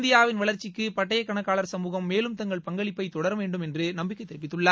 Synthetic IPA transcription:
nd̪ɪjaːʋɪnʋɐɭɐɾt͡ʃːɪkːɯpɐʈːɐjɐkːɐɳɐkːaːɭɐɾsɐmuːɣɐmːeːlɯmt̪ɐŋɡɐɭpɐŋɡɐɭɪpːɐɪt̪ɔɽɐɾɐʋeːɳɖɯmɛndrɯnɐmbɪkːɐɪt̪ːɛɾɪpːɪt̪ːɯɭːaː

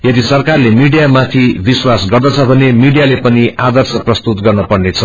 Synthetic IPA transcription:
jʌd̪isʌrkarlemiɖijamat̪ʰibiswasɡʌrd̪ʌt͡sʰʌbʱʌnemiɽijalepʌniʔad̪ʌrsʌprʌst̪ut̪ɡʌrnʌpʌɽnet͡sʰʌ

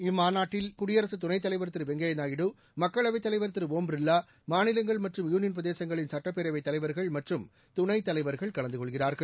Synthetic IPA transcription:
ɪmːaːnaːʈːɪlkʊɽɪjɐɾɐsɯt̪ʊnɐɪt̪ːɐlɐɪʋɐɾt̪ːɪɾɯʋɛŋɡɐjɐnaːjɪɽɯ | mɐkːɐɭɐʋɐɪt̪ːɐlɐɪʋɐɾt̪ːɪɾɯʋoːmbɾɪlːaː | maːnɪlɐŋɡɐɭmɐʈrɯmjuːnɪjɐnpɾɐðeːsɐŋɡɐɭɪnsɐʈːɐpːɛɾɐʋɐɪt̪ːɐlɐɪʋɐɾɣɐɭmɐʈrɯm | t̪ʊnɐɪt̪ːɐlɐɪʋɐɾɣɐɭkɐɭɐnd̪ɯkɔɭɣɪraːɾɣɐɭ

